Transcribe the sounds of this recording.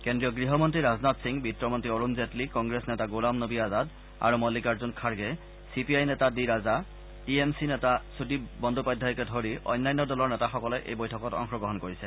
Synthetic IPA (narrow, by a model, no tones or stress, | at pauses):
kendɹiɔɡɹiɦɔmɔntɹiɹaznatsiŋbitɹɔmɔntɹioɹunzetlikɔŋɡɹesnɛtaɡolamnobiazad | a̰ɹumɔlikaɹzunkʰaɹɡɛ | sipiajnɛtadiɹaza | tiemsinɛtasudibɔndʱupajdʱajkɛdʱoɹiʔɔ̰jnːajnːɔdɔlɔɹnɛtaxɔkɔlɛʔḛjbojtʰɔkɔtɔ̰ŋxɔɡɔɦɔnkoɹisɛ